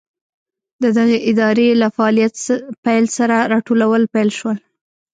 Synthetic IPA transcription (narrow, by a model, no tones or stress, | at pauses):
d̪əd̪aɣeʔɪd̪ɑɾelafaɑlijat̪pajlsaɾaɾɑʈolawəlpajlʃwəl